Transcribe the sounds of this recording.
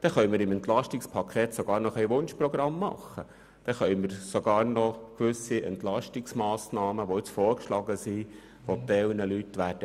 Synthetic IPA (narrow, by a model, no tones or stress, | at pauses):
d̥ɛχœjməɾɪmɛnt̪lɑʃtɪkspʰɑkʰeːt̪soɡ̥ɑːɾnɔχæjʋʊnʃpɾɔɡ̥ɾɑmːɑ̰χːə | d̥ɛχœʏməɾsoɡ̥ɑːɾnɔkʋʉsiɛ̰ntlɑʃtɪksmɑːsnɑːməʋoɪt͡sfoːɾkʃlɑːɡəsi | ʋod̪ɛlnəlyt̪ːʋæːd̥ə